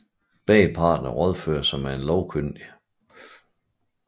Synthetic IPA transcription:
b̥ɛ̰ːipʰɑ̰̈ːd̥nɐʁɒð̞ˠfø̰ːɐsɑmæe̝nlɒʊkʰønd̥i

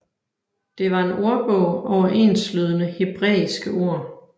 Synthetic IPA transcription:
d̥e̝ʋɑ̈e̝nʔo̝ɐb̥ɔʊɒʊɐʔe̝̰nslyð̞ˠənəheb̥ʁɛ̰ːisɡ̥əʔo̝ɐ̰

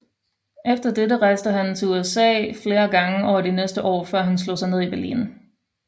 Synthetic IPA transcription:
ʔefd̥ɐdeɾəʁɑ̈ɪsd̥əɦænt͡sʰe̝uesɛ̰ːfle̝ːɐɡ̥ɑ̈ŋəʔɒɐd̥inesd̥əʔɒ̰ːfɶɐɦænslɔ̰ːsɑɪne̝ð̞ˠib̥æɐlḭːn

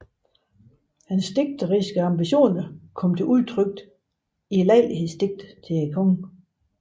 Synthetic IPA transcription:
hænsːd̥e̝ɡ̥̚d̥əʁisɡ̥əɑ̈mb̥iɕo̝̰ːnɐkʰɒ̽m̰t͡sʰe̝ʔuðˠt͡sʰʁœɡ̥̚d̥ | ilɛɪ̰lihesd̥e̝ɡ̥̚d̥t͡sʰe̝ekʰɔŋ

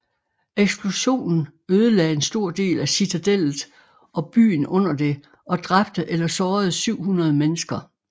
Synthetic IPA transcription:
eɡ̥sb̥lo̝ɕo̝̰ːnn̩øːð̞ˠəlɛ̰ːe̝nsd̥o̝ɐ̰d̥e̝̰ːlæsit͡sʰæd̥el̰ð̩ˠ | ʔɒ̽b̥y̰ːn̩ɔ̽n̰ɐd̥e̝ | ʔɒ̽d̥ʁab̥d̥əʔelɐsɒːð̞̩ˠsyʊ̰hunɐð̞̩ˠəmenəsɡ̥ɐ

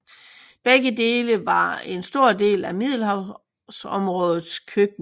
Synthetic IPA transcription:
b̥eɡ̥əde̝ːləʋɑ̈e̝nsd̥o̝ɐ̰d̥e̝̰ːlæmið̞̰ˠl̩hɑ̈ʊ | sɒ̽mʁɔ̽ːð̞ˠð̩ˠskʰøɡ̥̚

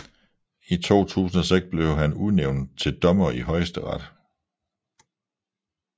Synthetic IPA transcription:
it͡sʰo̝̰ːt͡sʰṵːsn̩ɒseɡ̥sb̥le̝ʊɦænuðˠneʊnt͡sʰe̝ld̥ɒ̽mɐiɦɒ̽ɪsd̥əʁɑd̥

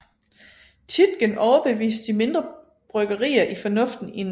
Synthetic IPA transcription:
t͡sʰid̥ɡ̥ənʔɒʊɐb̥e̝ʋḭːsd̥d̥ime̝nd̥ʁɐ | b̥ʁœɡ̥ɐʁḭːɐʔifɒ̽nɔ̽fd̥n̩in

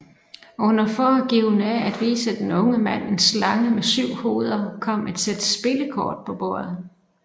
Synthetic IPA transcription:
ɔ̽n̰ɐfɒːɡ̥iʊ̰næʔæd̥ʋḭːsəd̥enɔ̽ŋəmæn̰e̝nslɑ̈ŋəmesyʊ̰ho̝ːð̞ˠɐkʰɒ̽m̰æd̥sed̥əsb̥e̝ləkʰɒːd̥̚pʰɒ̽b̥o̝̰ɐ̰ð̩ˠ

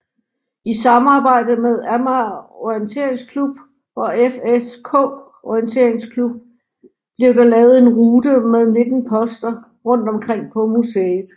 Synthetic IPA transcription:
isɑ̈mɑ̈ːb̥ɑ̈ɪ̰d̥əmeðˠæmæɔjənt͡sʰe̝̰ɐ̰eŋskʰlub̥ | ɒ̽efeskʰɔ̰ː | ɒiənt͡sʰe̝ɐeŋskʰlub̥̚ | b̥le̝ɐʊd̥ɑ̈lɛːʊð̩ˠe̝nʁuːdəmeð̞ˠne̝d̥n̩pʰɒ̽sd̥ɐ | ʁɔ̽n̰d̥ɒ̽mkʰʁeŋ̰pʰɒ̽museːð̩ˠ

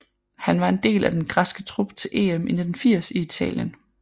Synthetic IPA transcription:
hænʋɑ̈e̝nd̥e̝̰ːlʔæd̥enɡ̥ʁɑ̈sɡ̥ət͡sʰʁub̥t͡sʰe̝lʔe̝̰ːemʔenəd̥enfiɐ̰siit͡sʰɛ̰ːljən

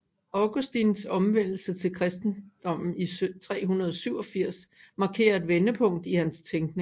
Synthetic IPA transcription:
ɑɡ̥usd̥insɒ̽mʋen̰l̩sət͡sʰe̝lkʰʁɛsd̥n̩d̥ɒ̽m̰n̩it͡sʰʁɛ̰ːɦunɐð̞̩ˠɒ̽syʊɒ̽fiɐ̰smɑ̈ːkʰe̝̰ːɐe̝d̥ʋenəpʰɔ̽ŋ̰d̥ihænst͡sʰeŋɡ̥ne̝ŋ

